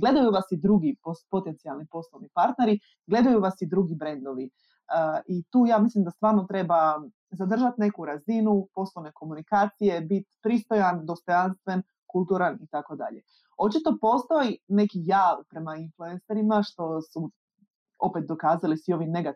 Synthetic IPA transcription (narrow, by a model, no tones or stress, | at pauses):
ɡle̞d̪ajuʋasid̪ɾuɡipopo̞t̪ent̪sialˠnipo̞slˠoʋnipaɾt̪ne̞ɾi | ɡle̞d̪ajuʋasid̪ɾuɡibɾe̞nd̪oʋi | əʔit̪uːjaːmislimd̪ast̪ʋaːɾnot̪ɾe̞ba | zad̪r̩ʒat̪ne̞kuɾazinupo̞slˠoʋne̞ko̞munikaːt̪sije̞bit̪pɾist̪o̞jand̪o̞st̪o̞janst̪ʋe̞n | kulˠt̪uɾanit̪ako̞d̪a̰ʎe | o̞t͡ʃit̪o̞po̞st̪o̞jine̞kijaːʋpɾe̞mainfluenseɾimaʃt̪o̞su | o̞pet̪̚d̪o̞kaːzalisʋio̞ʋimne̞ɡa